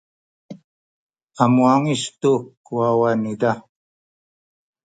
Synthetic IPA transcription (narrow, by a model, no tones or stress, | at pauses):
amwaŋiʃt̪uk | uwawanid̪a